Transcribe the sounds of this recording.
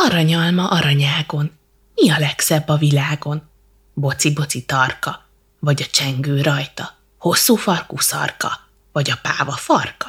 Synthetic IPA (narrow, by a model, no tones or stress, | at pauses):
ɒɾɒɲɒlmɒʔɒɾɒɲaːɡo̞n | miɒlɛksɛbːɒvilaːɡo̞n | bo̞t̪sibo̞t̪sit̪ɒrkɒ | vɒɟɒt͡ʃɛŋɡøːɾɒjt̪ɒ | ho̞sːuːfɒrkusɒ̰rkɒ̰ | vɒɟɒpaːvɒfɒrkɒ̥